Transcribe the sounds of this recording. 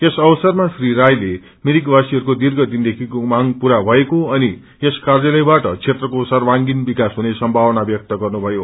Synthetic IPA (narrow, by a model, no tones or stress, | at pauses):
esʌwʌsʌrmasriɾajle | miɾikbasiɦʌɾukod̪irɡʌd̪ind̪ekʰikomaŋpuɾabʱʌekoʌni | eskarjʌlʌjbaʈʌt͡sʰet̪rʌkosʌrwaŋɡinbikasɦunesʌmbʱawnabjʌk̚t̪ʌɡʌrnubʱʌjo